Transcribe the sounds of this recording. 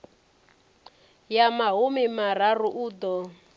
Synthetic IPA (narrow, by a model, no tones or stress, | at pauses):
jamaɦumimar̤aruʔuːd̪ɔ